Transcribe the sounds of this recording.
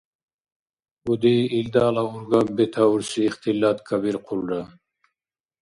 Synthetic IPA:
ud̪iild̪aːlauɾɡabet̪ʰauɾsiːχt̪ilːat̪kʰabiɾqʰulɾa

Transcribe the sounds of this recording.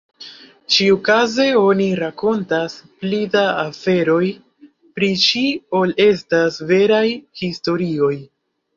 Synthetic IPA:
t͡ʃiukaze̞o̞niɾako̞ntasplidaafe̞ɾo̞j | pɾit͡ʃio̞le̞stasve̞ɾajhisto̞ɾio̞j

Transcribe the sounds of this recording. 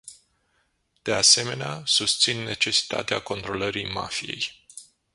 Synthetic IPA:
d̪̥e̞ase̞me̞neasust̪sinːe̞t͡ʃe̞si̥t̪a̰t̪eako̞nt̪ɾo̞ləɾijma̰fije̞j

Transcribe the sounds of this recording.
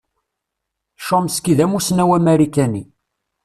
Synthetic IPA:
ʃomskiðæmusnæwæmæɾikæni

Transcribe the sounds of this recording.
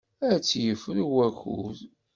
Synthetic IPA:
æt͡sːjəfəɾwæxṵð

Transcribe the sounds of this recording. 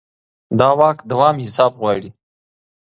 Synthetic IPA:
d̪ɑːwɑːkd̪awɑːmhɪsɑːbɣwɑːɽi

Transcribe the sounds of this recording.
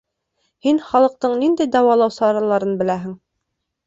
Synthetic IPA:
hinχɑlˠɤ̆q̚t̪ɤɴnind̪æjd̪ɑwɑlˠɑwsɑɾɑlˠɑɾɤnbɘ̆læɦɘ̆ŋ

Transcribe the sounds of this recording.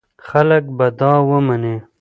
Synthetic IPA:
xalək̚bad̪ɑːwəmane

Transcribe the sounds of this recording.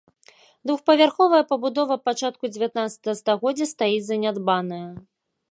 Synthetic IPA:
d̪vuxpɐvʲarxɔvɐjɐpɐbud̪ɔvɐpːat͡ʂat̪̚kud͡zʲɪvʲjat̪̚nat̪sɐ̥t̪ɐɣɐst̪aɣɔd͡zʲːɐst̪ajizɐnʲad̪banɐjɐ

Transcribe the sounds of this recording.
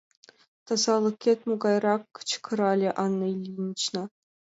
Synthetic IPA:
t̪ɑzɑlˠɤ̆kʲːet̪ʲmuɡɑjrɑkːt͡ɕkʰɤ̆ɾɑlʲɘʔɑnːɤilʲinʲt͡ɕnɑ

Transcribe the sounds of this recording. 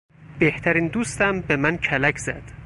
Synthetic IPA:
beht̪ʰæɾiːnd̪uːst̪æmbe̞mæncʰælæcʰz̥æd̪̥

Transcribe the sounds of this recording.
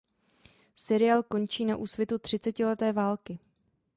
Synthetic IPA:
sɛɾɪaːlko̞nt͡ʃiːnaʔuːsvjɛt̪ut̪r̝̥ɪt͡sɛcɪlɛt̪ɛːvaːlkɪ

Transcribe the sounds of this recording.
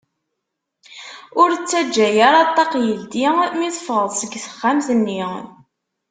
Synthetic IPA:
ʊɾt͡sːæd͡ʒːæjaɾˤɑt̪ˤːɑqjəld̪imiθfəʁəðˤsəɡːθə̥χːamθənːi

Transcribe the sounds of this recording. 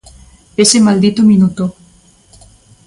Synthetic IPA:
esemald̪it̪omĩnut̪o

